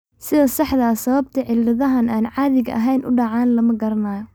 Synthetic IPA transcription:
sɪðɐsɑħd̪ɐːsɐβɐb̚t̪ʰɐʕɪldɪðɐɦɐnaːnʕɑːðɪɣɐ̰ʔɐɦɛjnʔʊ̰ɖɑʕɑːnlɐmɐɡɐɾɐnaːjɔ

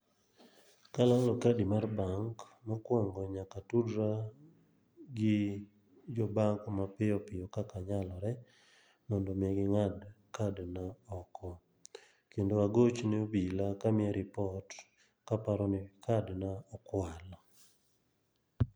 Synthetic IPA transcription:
kalalɔkadimarbaŋk | mɔkwɔŋɡɔɲakatudɾa | ɡɪ | d͡ʒɔbaŋkmapɪɔpɪjɔkakaɲalɔɾɛ | mɔndɔmɪɛɡɪŋad | kʰadnaɔkʰɔ | kendoaɡot͡ʃneobilakamɪɛɾɪpɔt | kapaɾɔnɪkʰadnaɔkwalɔ

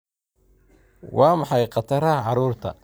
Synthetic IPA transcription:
wʔɑːmɑħɑjqɑt̪ʰɐɾɐʕɑɾuːrt̪ʰɐ̰

